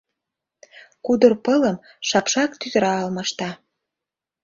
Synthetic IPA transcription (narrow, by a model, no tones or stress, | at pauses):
kud̪ərpɤləm | ʃɑpʃɑkt̪yzəɾɑɑlmɤ̆ʃt̪ɑ